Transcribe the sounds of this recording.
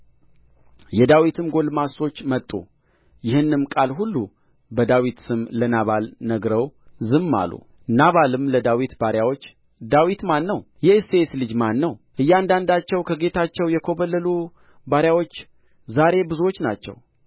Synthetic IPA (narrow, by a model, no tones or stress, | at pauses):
jɛd̪awit̪ʰɨmɡo̞lmaso̞t͡ʃːmət̪ʼːṵ | jɪhɨnːɨmkʼalɦulːu | bəd̪awit̪sɨmlənaβalnəɡɾəwzɨmːa̰lṵ | naβalɨmləd̪awit̪baɾjawo̞t͡ʃː | d̪awit̪manːəw | jɛseslɨd͡ʒmanːəwʔɨjːand̪and̪at͡ʃːɛwkʰəɡe̞t̪ʰat͡ʃːɛwjɛkʰo̞βəlːəlu | baɾjawo̞t͡ʃː | zaɾe̞bɨzuwo̞t͡ʃːnat͡ʃːɛ̰w